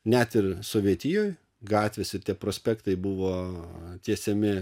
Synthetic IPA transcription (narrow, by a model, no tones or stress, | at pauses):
nʲɛt̪ɪrsoːʋʲiɛt̪ʲijoːj | ɡɑːt̪ʲʋʲeːsɪɾt̪ʲiɛpɾoːsʲpʲækt̪ɐɪbʊʋoːt̪ʲiɛsʲɛmʲɪ